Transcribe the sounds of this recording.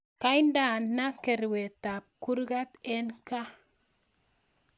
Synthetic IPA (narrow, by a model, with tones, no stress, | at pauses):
ka˦jnda˨nnːa˦ke˨ɾwe˨ta˨p̚ku˦ɾɡa˦t̪e˦nka˦